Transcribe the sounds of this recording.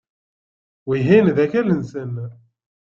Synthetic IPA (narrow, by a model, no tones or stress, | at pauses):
wiɦinðæçælənsən